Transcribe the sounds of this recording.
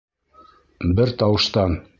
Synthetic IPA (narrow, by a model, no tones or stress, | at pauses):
bɘɾt̪ɑwɤ̆ʃt̪ɑn